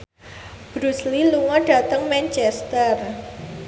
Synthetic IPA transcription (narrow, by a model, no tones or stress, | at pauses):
b̥ɾusliluŋɔɖa̤t̪əŋmɛnt͡ʃɛst̪ər